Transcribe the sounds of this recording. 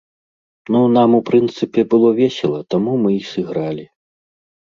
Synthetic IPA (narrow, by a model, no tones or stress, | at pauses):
nunamupɾɨnt̪sɨpʲɛbɨlˠɔvʲɛsʲɛlˠɐt̪amumɨisɨɣɾalʲi